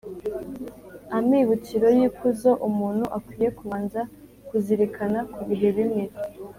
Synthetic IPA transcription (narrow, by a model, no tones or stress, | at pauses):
amiβutiɾo̞jikuzoʔumuːnhuʔakwiːje̞kuβaːnza | kuziɾikʰanakuβiɦeβimŋe̞